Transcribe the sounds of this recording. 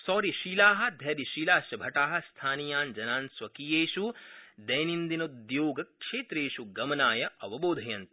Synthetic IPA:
sɔːɾiʃiːlaːɦɐ̆d̪ʱjɐɾiʃiːlaːʃjɐbʱɐʈaːɦɐ̆st̪ʰaːnijaːnd͡ʒɐnaːnsʋɐkiːjeːʃud̪ɐjnind̪inɐud̪joːɡɐkʂeːt̪ɾeːʃuɡɐmɐnaːjɐʔɐʋɐboːd̪ʱɐjɐnt̪

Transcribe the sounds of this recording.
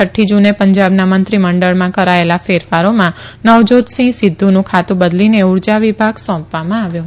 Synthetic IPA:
əʈʰːid͡ʒunepəɲd͡ʒabnamənt̪ɾiməɳɖəɭmãkəɾaelafeɾfaɾomãnəʋd͡ʒod͡ʒ̪sĩsid̪ʱːunũkʰat̪ũbəd̪lineuɾd͡ʒaʋibʱaɡsɔ̃pʋamãaʋjũ

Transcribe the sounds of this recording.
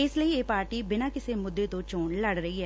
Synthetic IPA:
ɪsləieːpaːɾʈiːbɪnaːkɪsemʊd̪ːet̪õt͡ʃoːɳləɽɾəɦiɦɛː

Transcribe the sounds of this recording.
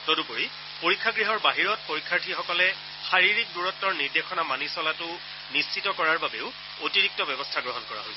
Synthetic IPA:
todupoɹi | poɹikʰːaɡɹiɦɔɹbaɦiɹɔt̚poɹikʰːaɹtʰixɔkɔlɛ | xaɹiɹik̚duɹɔtːɔɹniɹdexɔnamanisɔlatʊ | nist͡ʃʰitɔkɔɹaɹbabeʊ | otiɹik̚tɔbɛbɔstʰaɡɹɔɦɔnkɔɹa̰ɦojsɛ

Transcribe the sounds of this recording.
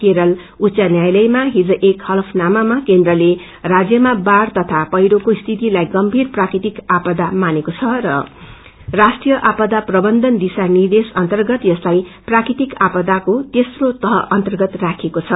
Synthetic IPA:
keɾʌl | utːt͡ssanjajlʌjmaɦid͡zoʔekhʌlpʰnamamakend̪rʌle | rad͡zjʌmabart̪ʌt̪ʰapʌjɾokost̪ʰit̪ilajɡʌmbʱirprakɾit̪ikapʌd̪amanekot͡sʰʌrʌ | rasʈrijʌʔapʌd̪aprʌbʌnd̪ʌnd̪isanird̪esʌnt̪ʌrɡʌt̪jʌslajprakɾit̪ikapʌd̪akot̪esrot̪ʌɦʌʔʌnt̪ʌrɡʌt̪rakʰekot͡sʰʌ

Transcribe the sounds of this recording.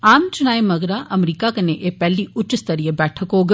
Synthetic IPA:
aːmt͡ʃʊnaːemɐɡɾaʔɐmɾiːkakɐneʔeːpɛːliʊt͡ʃɪst̪ɐɾijəbɛːʈʰəkɦoːɡ

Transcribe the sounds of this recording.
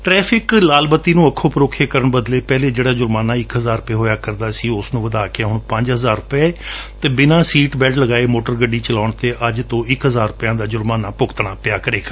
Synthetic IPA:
ʈɾɛːpʰɪklaːlbət̪ːiːnũːəkʰːoːpəɾoːkʰeːkəɾəɳbəd̪leːpɛːleːd͡ʒeːɽaːd͡ʒʊɾmaːnaːɪkɦəzaːɾʊpeːɦoːjaːkəɾd̪aːsĩːʊsnũːʋəd̪aːkɪaːɦʊɳpəɲd͡ʒɦəzaːɾʊpeːt̪eːbɪnãːsiːʈbɛlʈləɡaːeːmoːʈəɾɡəɖːiːt͡ʃəlaːɳt̪eːʔəd͡ʒt̪õːɪkɦəzaːɾʊpɪjãːd̪aːd͡ʒʊɾmaːnaːpʊkt̪ɳ̃aːpɪjaːkəɾeːka

